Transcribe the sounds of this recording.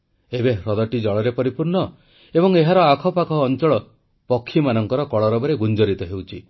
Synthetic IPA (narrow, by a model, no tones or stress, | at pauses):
ebeɾɔd̪ɔʈid͡ʒɔɭɔɾepɔɾipuɾɳɔ | ebɔŋeɦaɾɔakʰɔpakʰɔːnt͡ʃɔɭɔ | pɔkʰːimanɔŋkɔɾɔkɔɭɔɾɔbɔɾeɡund͡ʒɔɾit̪ɔɦewt͡ʃʰi